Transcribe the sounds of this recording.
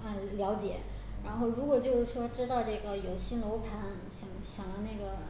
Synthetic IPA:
ə˧ljɑ˧˥ʊt͡ɕjɛ˨˩˦ | ɻa˧˥nxo˥˩ʊɻu˧˥kwɔ˨˩t͡ɕjo˥˧ʊʂɻ̩˥˩ʂwɔ˥ʈ͡ʂɻ̩˥t̪ɑ˥˧ʊʈ͡ʂɤ˥˩ɡə˩jo˨˩ʊɕi˥nlo˧˥ʊpʰa˧˥n | ɕjɑ˨˩˦ŋɕjɑ˨˩ŋlə˦na˥˩ɡə˩

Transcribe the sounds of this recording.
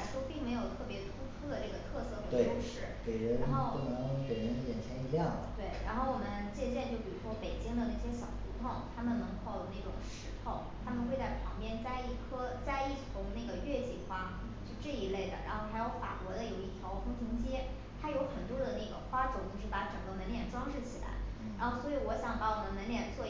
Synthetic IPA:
ʂwɔ˥pi˥˩ŋme˧˥ɪjo˨˩ʊt̪ʰɤ˥˩pjɛ˧˥t̪ʰu˥t̪ʰɤɔ˥d̪ə˨ʈ͡ʂɤ˥˩ɡə˩t̪ʰɤ˥˧sɤ˥˩pi˨˩we˥˩o˥ʂɻ̩˥˩ke˨˩ɪɻə˧˥na˧nxo˥˩ʊo˥˩nɤ˧˥ŋt͡ɕɛ˨˩ɻə˧˥jɛ̰˨˩nt͡ɕʰjɛ˧˥ni˧˥jɑ˥˩ŋd̪ə˩t̪we˥˩ɪɻa̰˧˥nxo˥˩ʊwɔ˨˩mə˦nt͡ɕjɛ˥˧ɕjɛ˥˧nt͡ɕjʊpi˨˩ɻu˧˥wɔ˥pe˨˩ɪt͡ɕi˥ŋd̪ə˨na˥˩ɕ̬jɛ˥ɕjɑ˨˩ʊt̪ʰu˧˥t̪ʰʊ˥˩ŋt̪ʰa˥mə˨nnɤ˧˥ŋko˥˩˧ʊna˥˩ʈ͡ʂʊ̰˨˩˦ŋʂɻ̩˧˥t̪ʰo˥˩ʊt̪ʰa˥mə˨nxe˥˧t͡sa˥˩ɪpʰɑ˧˥ŋpjɛ˥˧nt͡sa˥ɪi˥˩kʰɤ˥t͡sa˥˧ɪi˥˩t̪ʰʊ˧˥ŋna˥˩ɡə˩ɥɛ˥˧t͡ɕi˥˩xwa˥ | t͡ɕjo˥˧ʊʈ͡ʂɤ˥˩i˧˥le˥˩ɪd̪ə̰˩ɻa̰˧˥nxo˥˧ʊxʰa˧˥ɪjo˧˥ʊfa̰˨˩kwɔ˧˥d̪ə˧jo˧˩ʊi˥˩t̪ʰjɑ˧˥ʊfʰʊ˥ŋt̪ʰi˧˥ŋt͡ɕjɛ˥ | t̪ʰa˥jo˧˥ʊxə˨˩nt̪wɔ˥d̪ə˨na˥˩ɡə̰˩xwa˥ʈ͡ʂʊ˥ŋt͡ɕo˥˧ʊʂɻ̩˥˩pa˧˥ʈ͡ʂɤ˨˩ŋɡə˦mə˧˥nljɛ˥˩nʈ͡ʂwɑ˥ŋʂɻ̩˥˩t͡ɕʰi˨˩la̰˧˥ɪ | ɻa˥nxo˥˩ʊswɔ˧˥i˧˥wɔ˧˥ɕjɑ˧˥ŋpa˧˥wɔ˨˩mə˧˦nmə˧˥nljɛ˥˧nt͡swɔ˥˩

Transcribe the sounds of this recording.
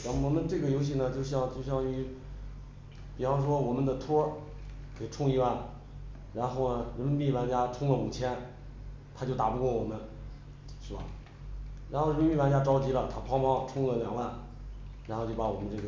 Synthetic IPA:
ɑ˥wɔ˨˩mə˧nʈ͡ʂɤ˥˩ɡə˩jo˧˥ʊɕ̬i˥˩nə˩t͡ɕjo˥˧ʊɕ̬jɑ˥˧ŋt͡ɕjo˥˧ʊɕ̬jɑ˥˧ŋy˧˥˩ | pi˨˩fɑ˥ŋʂ̬wɔ˥wɔ˨˩mə˧˦nd̪ə˨t̪ʰwɔ˥ | ke˨˩ɪʈ͡ʂʰʊ˥˧ŋi˧˥wa˥˩n | ɻa˧˥nxo˥˩ʊnə˩ɻə˧˥nmə˧nmi˥˩wa˧˥nt͡ɕja˥ʈ͡ʂʰʊ˥ŋlə˨mu˨˩t͡ɕʰjɛ˥n | t̪ʰa˥t͡ɕjo˥˩ʊt̪a̰˨˩pu˧kwɔ˥˩wɔ˨˩mə˧˦n | ʂɻ̩˥˩bɐ̰˨˩ | ɻa˧˥xo˥˩ʊɻə˧˥mə˧˥mi˥˩wa˧˥nt͡ɕja˥ʈ͡ʂɑ˥ʊt͡ɕi˧˥lə˨t̪ʰa˥pʰɑ˥pɑ˥ŋʈ͡ʂʰʊ˥˧ŋlə˨ljɑ̰˨˩ŋwa˥˩n | ɻa˧˥xt͡ɕo˥˩ʊa˧˥wɔ˨˩mə˧˦nʈ͡ʂɤ˥˩ɡə˩

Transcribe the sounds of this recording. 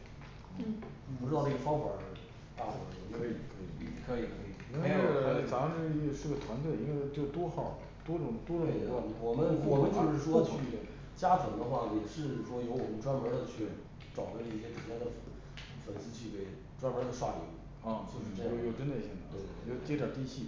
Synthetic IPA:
pu˧ʈ͡ʂɻ̩˥ɑ˥˧ʊʈ͡ʂe˥˩ɡə˩fɑ˥ŋxwə̰˞˨˩ | t̪a˥˩xo˧˩jo˥˧˥i˨˩kʰɤ˧˥i˨˩˨kʰɤ˧˥i˨˩kʰɤ˧˥i˨˩i˥˧˥fɑ˨˧˩ʂɑ˥˧ŋʂɻ̩˥˩˥ʂɻ̩˥˧˩ɡə˩t̪ʰwa˧˥nt̪ʰwe˥˩ɪi˥nwe˥˧ɪt͡ɕjo˥˧ʊ˩t̪wɔ˥xɑ˨˩˦ʊ | t̪wɔ˥ʈ͡ʂʊ˨˩˦ŋt̪wɔ˥ɾʊ˧˥˩ɛ˧˥wa˥˩n˧˩wɔ˨˩mə˦nwɔ˨˩mə˦nt͡ɕjo˥˧ʊʂɻ̩˥˩ʂwɔ˥˧t͡ɕʰy˥˩ | t͡ɕja˥ʈ͡ʂwə˨˧˥ŋd̪ə˧xwa˥˩jɛ˨˩ʂɻ̩˥˩ʂwɔ˥jo˧˥ʊwɔ˨˩mə˦nʈ͡ʂwa˥nwə˧˥d̪ə˧t͡ɕʰy˥˩ | ʈ͡ʂɑ˨˩ʊd̪ə˧˥i˥˩ɕjɛ˥ʈ͡ʂʰu˧˥la˧˥d̪ə˧ | fə˨˩nsɹ̩˥t͡ɕi˥˩pe˥˩ɪ | ʈ͡ʂwa˥nwə˧˥d̪ə˨˧ʂwa̰˥˩lḭ˨˩˥u˥˩ | ɔ˥˩t͡ɕjo˥˧ʂɻ̩˥˩˧jo˥˩jo˨˩ʊʈ͡ʂə˥nd̪ə˨i˥˩ɕɛ˥nə˨˩˥we˥˩˥jo˧˩ʊt͡ɕɛ˥ʈ͡ʂjə˨˩t̪i˥˧ɕi˥˩

